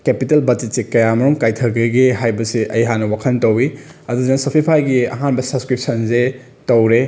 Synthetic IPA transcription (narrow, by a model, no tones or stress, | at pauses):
kepitelbɐd͡ʒet̚sikɐjamɐɾuŋkajtʰɐɡɐɡiɦajbɐsiʔɐjɦanɐwakʰɐntɐwiɐduzensɐpʰipʰajɡiɐ̰ɦanbɐsɐbskɾip̚sɐnze | tɐwɾe